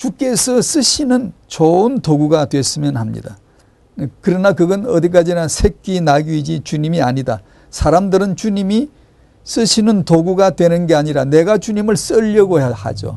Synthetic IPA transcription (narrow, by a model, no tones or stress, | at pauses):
t͡ɕuk͈e̞sʰʌs͈ɯɕʰinɯnt͡ɕoɯntoɡuɡatwe̞s͈ɯmjʌnhamɲḭda | kɯɾʌnakɯɡʌnʌ̰d̪ik̬͈ad͡ʑinasʰe̞k͈inaɡiid͡ʑit͡ɕuɲimiaɲida̰ | sʰaɾamdɯɾɯnt͡ɕuɲimi | s͈ɯɕʰinɯntoɡuɡatwe̞nɯnɡe̞aɲiɾane̞ɡat͡ɕuɲimɯɭs͈ʌʎːʌɡoha̰d͡ʑo̰